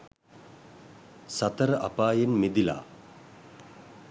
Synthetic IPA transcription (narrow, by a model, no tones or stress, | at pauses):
sat̪əɾəʔapaːjenmed̪ila̰ː